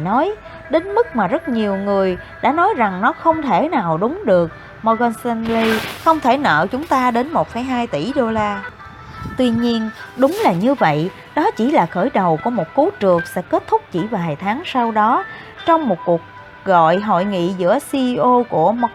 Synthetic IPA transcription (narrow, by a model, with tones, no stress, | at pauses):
nɔ˨˦j | ɗe˨˦nmɨ˦˥k̚maː˨˩zə˦˥t̚ɲi˨˩əwŋɨ˨˩əj | ɗa̰ː˧˥nɔ˨˦jza˨˩ŋnɔ˨˦xə˧wŋ͡mt̪ʰe˧˩naː˨˩wɗʊ˨˦ŋ͡mɗɨ˨˩ək̚ | mɔ˧ɣɛ˧nsɛ˧nli˧xə˧wŋ͡mt̪ʰe˧˩nə̰ː˧˨t͡ɕʊ˨˦ŋ͡mt̪aː˧ɗe˨˦nmo˨˩t̚fə˨˦jɦaː˧jt̪i˧˩ɗo˧laː˧ | t̪wi˧ɲi˧ənɗʊ˨˦ŋ͡mlaː˨˩ɲɨ˧və̰˧˨j | ɗɔ˨˦t͡ɕi˧˩laː˨˩xəː˧˩jɗə˨˩wku˧˩əmo˨˩t̚ku˨˦t͡ɕɨ˨˩əksɛ̰˧˥ke˦˥t̚t̪ʰʊ˦˥k͡p̚t͡ɕi˧˩vaː˨˩jt̪ʰaː˨˦ŋsa˧wɗɔ˨˦ | t͡ɕɔ˧wŋ͡mmo˨˩t̚ku˨˩ək̚ | ɣɔ̰˧˨jɦo̰˧˨jŋḭ˧˨zɨ̰˧˥əsi˧ʔo˧ku˧˩əm˧